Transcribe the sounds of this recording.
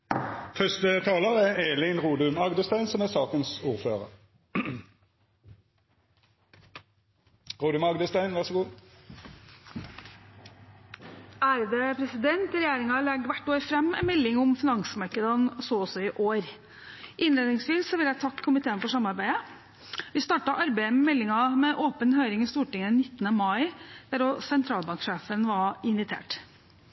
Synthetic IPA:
fœst̪ət̪ʰɑːləʁæʁeːlɪnʁuːd̪ʉmɑɡd̪əst̪æɪnsɔmæsɑːkənsuːʁfø̰ːʁə̰ʁ | ʁuːd̪ʉmɑɡd̪əst̪æɪnʋæʁsɡuː | æɾd̪ɛpʰɾɛsɪd̪ɛnt̪ɾɛjeːɾɪŋɑlɛɡːʋæʈːoːɾfɾɛmːɛ̰nmɛlːɪŋʊmfɪnɑŋsmɑɾkəd̪ənsɔɔsɔɪʔoːɾ | ʔɪnleːd̪nɪŋsʋiːsːɔʋɪljæt̪ʰɑkʰːʊmɪt̪ʰeːənfɔʂɑmɑɾbæɪə | ʋɪst̪ɑːʈɑʔɑɾbæɪəmɛmɛlːɪŋɑmɛʔoːpənhøːɾɪŋɪst̪uːʈɪŋːənɪt̪ːənəmɑɪd̪̥æɾosɛnt̪ʰɾɑːlbɑŋkʂeːfənʋɑɪnʋɪt̪ʰḛːʈ

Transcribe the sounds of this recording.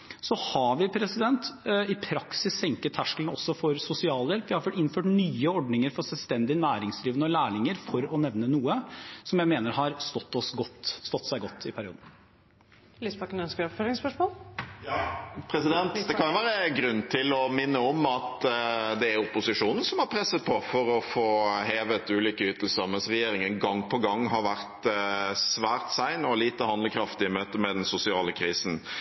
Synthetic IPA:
sɔhɑʋɪpʰɾɛsɪd̪ɛnt̪ɪpʰɾɑksɪsːɛŋkət̪ʰːæʂkəlnɔsːɔfɔɾsʊsɪɑːljɛlpʋɪhɑɾføʈɪnføːʈnyːəɔɖnɪŋəɾfɔʂɛlʋst̪ɛnd̪ɪnæːɾɪŋsd̪ɾiːʋənəɔlæːɳɪŋəɾfɔɾɔnɛʋnənuːəsɔmjæɪmeːnəɾhɑɾst̪ɔt̪ːɔsɡɔt̪ːst̪ɔt̪ːsæɪɡɔt̪ʰːɪpʰæɾɪṵːd̪n̩ | lispɑkːənœnskəɾɔpføːɾɪŋspœʂmoːljɑpʰɾɛsɪd̪ɛnt̪d̪ɛkʰɑnʊʊʋæːɾəɡɾʉnːt̪ʰɪlɔmɪnːəɔmɑt̪d̪ɛːɾʊpːʊsɪʂuːnən̩sɔmhɑɾpʰɾɛsːət̪̚pʰɔfɔɾɔfoːɦeːʋət̪ʉːliːkəyːt̪l̩səɾmɛnsʁɛjeːɾɪŋənɡɑŋːpʰɔɡɑŋːɦɑɾʋæʁt̪sʋæːɾt̪sæɪnɔliːt̪əhɑnd̪ləkʰɾɑft̪ɪəmøːt̪əmɛd̪ɛnsʊsɪɑːləkʰɾiːsn̩

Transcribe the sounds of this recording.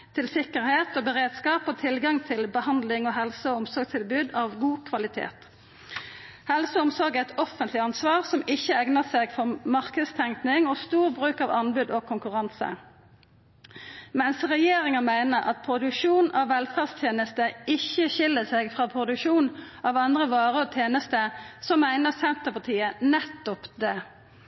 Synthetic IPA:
t̪ʰɪlsɪkəʁheːt̪oːbəʁeːd̪skɑːpoːt̪ʰɪlɡɑŋt̪ʰɪlbəhɑnd̪lɪŋoːɦɛlsəʊmsɔɾɡt̪ʰɪlbʉːd̪ɑːʋɡuːkʰʋɑlɪt̪ʰḛːt̪ | hɛlsəɔmsɔʁɡæɪt̪ɔfənt̪lɪɑnsʋɑːʁsɔmɪçːəɛɡnəseːɡfɔʁmɑʁkəst̪ʰɛŋknɪŋɔst̪uːʁbʁʉːkɑʋɑnbʉːd̪ɔkʰʊŋkʉʁɑnsə̰ | mɛnsʁɛjeːʁɪŋəmæɪnəʁʔɑ̰t̪̚pʰʁʊd̪ʉkʂuːnɑʋːɛlfæːʁst̪ʰjeːnəst̪əɪçːəçɪlːəseɡfʁɑːpʰʁʊd̪ʉkʂuːnʔɑʋɑnd̪ʁəʋɑːʁəɔːt̪ʰjeːnəst̪əsɔmæɪnəʁsɛnt̪əpʰɑt̪ʰiːənɛt̪ːɔpd̪ɛː

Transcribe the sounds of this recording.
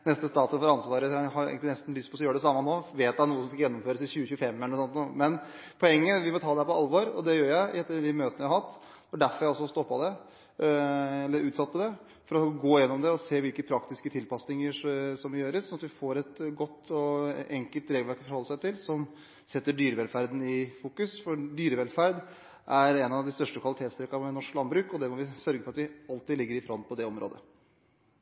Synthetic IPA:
nɛst̪əst̪ɑːt̪sənfɔɾɑnsʋɑːɾəæhɑɾḛɡənɪnɛst̪n̩lʏst̪pʰɔjøːɾəɖɛsɑmːɑnoːʋeːt̪ːænuːəsɔmskɑjɛnːɔmføːɾəsɪçʉːəçʉːəfɛmːɛlɛnɔsɔnt̪numɛn | pʰɔɛŋːəʋɪmɔt̪ʰɑːd̪ɛæɾpɔɑlːʋoːɾɔ̰d̪ɛjøːɾjæɪʔɛt̪ːəɖɪmøːt̪ənəjæɪhɑt̪ː | fɔɖæɾfɔɾjæɪɔsːɔst̪ɔpːɑd̪ɛ | ɛlːəɾʉːt̪sɑt̪ːəd̪ɛ | fɔɾɔɡoːjɛnːɔmd̪ɛɔseːʋɪlkəpʰɾɑkt̪ɪskət̪ʰɪlpɑsnɪŋəsɔmjøːɾəsɔnɑt̪ʋɪfoːɾɛt̪ɡɔt̪ːɔɛŋkəlt̪ɾeːɡlʋæɾkfɔɾhɔlːəsæɪt̪ɪlsɔm | sɛt̪ːəɖyːɾəʋɛlfæɾd̪nɪfuːkʉsfɔɖyːɾəʋɛlfæɾd̪ | ʔæɾɛnɑʋd̪ɪst̪œʂʈəkʰʋɑlɪt̪eːt̪st̪ɾɛkːɑmɛnɔʂklɑnbɾʉːkɔd̪ɛmɔʋɪsœɾɡəfɔɾɑt̪ʋɪɑlt̪ɪd̪lɪɡːəɾɪfɾɔnpʰɔd̪ɛɔmɾʔo̰ːd̪ə̰

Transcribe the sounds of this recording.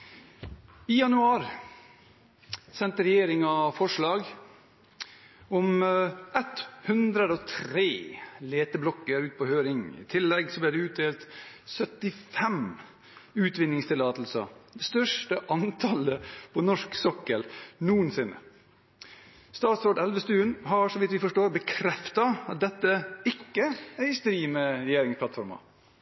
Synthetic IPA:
ɪjɑnʉɑːɾ | sɛnt̪əɾɛjeːɾɪŋɑfɔʂɭɑːɡ | ɔmʔɛt̪hʉnd̪ɾəd̪ɔt̪ʰɾeːleːt̪əblɔkːəɾʉːt̪̚pʰɔhøːɾɪŋɪ̰t̪ʰɪlːɛɡsɔb̪iːd̪ɛʉːt̪̚d̪eːlt̪sœt̪ɪfɛm | ʉːt̪ʋɪnːɪŋst̪ɪlɑːt̪l̩sə̰d̪ɛst̪œʂʈəʔɑnt̪ʰɑləpʰɔnɔʂksɔkːəlnuːənsɪnːə̰ | st̪ɑːt̪sɾoːɖ̪ɛlʋəst̪ʉːənɦɑɾʂɔʋɪt̪ʋɪfɔʂʈoːɾbəkʰɾɛft̪ɑɑt̪̚d̪ɛt̪ːəɪkːəæɾst̪ɾiːməɾɛjeːɾɪŋspʰlɑt̪fɔɾmɑ̰

